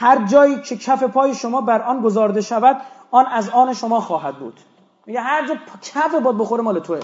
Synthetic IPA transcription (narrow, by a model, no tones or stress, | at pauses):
hæɾd͡ʒɒːjiːcʰe̞cʰæfe̞pʰɒːje̞ʃomɒːbæɾʔɒːnɡozɒːɾd̪e̞ʃævæd̪ɒːnæzɒːneʃo̞mɒːxɒːɦæd̪̚bṵːd̪̥ | miɡehæɾd͡ʒɒːpʰcʰæfebɒːd̪̚boxoɾemɒːlet̪ʰoe